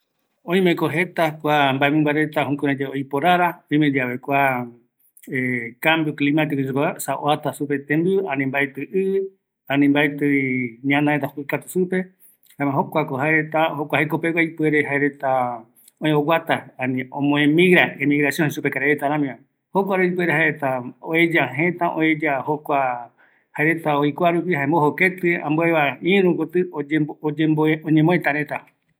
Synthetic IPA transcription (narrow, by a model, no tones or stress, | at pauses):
õĩmẽkoɦe̞t̪akʷambaemɨ̃mbaɾe̞t̪aɦũkuɾãd͡ʒeojpoɾaɾaõj̃med͡ʒaβekʷa | ekambjoklimat̪ekut͡ʃukasaoat̪asupet̪ẽmbjãnĩmbaet̪ɨʔɨ | ãnĩmbaet̪ɨɲãnãet̪ahɨkat̪usupe̞ | hãmãɦokʷakoɦaeɾet̪ahokʷahekopewʷajpɨeɾeɦaeɾet̪a | õẽowat̪aanĩõmõẽmĩɣɾaemiɣɾasjõnhʃupekaɾeɾet̪aɾãmĩã | hokʷaɾuipe̞ɾeɦaeɾet̪aoed͡ʒaɦẽ̞t̪ãʔo̰ed͡ʒahokʷa | haeɾe̞t̪aojkʷaɾupihaẽmbohoket̪ɨã̰mboeβaĩɾũkot̪ɨood͡ʒemboõɲẽmõẽt̪aɾẽt̪a